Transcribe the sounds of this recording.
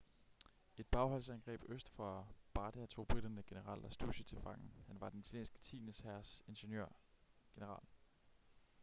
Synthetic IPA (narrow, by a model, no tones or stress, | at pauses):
e̝d̥̚b̥ɑ̈ʊɦɒ̽l̰sænɡ̥ʁɛ̰ːb̥øsd̥fɒb̥ɑ̈ːd̥æt͡sʰo̝̰ːb̥ʁid̥ɐnəɡ̥e̝nəʁɑ̰̈ːlɒsd̥ṵɕət͡sʰe̝fɑ̈ŋn̩hænʋɑ̈d̥enit͡sʰæljḛːnsɡ̥ə̥t͡sʰḭːnəshæɐse̝nɕenjø̰ɐ̰ɡ̥e̝nəʁɑ̰̈ːl